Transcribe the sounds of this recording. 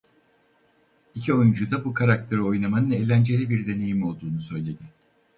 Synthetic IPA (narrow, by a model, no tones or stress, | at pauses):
icʰio̞jund͡ʒud̪abukʰaɾak̚t̪ʰeɾio̞jnˠamanɯne̞ːlʲænd͡ʒe̞lʲibiɾd̪e̞ne̞jimo̞lˠd̪uːnusø̞jlʲe̞d̪ɪ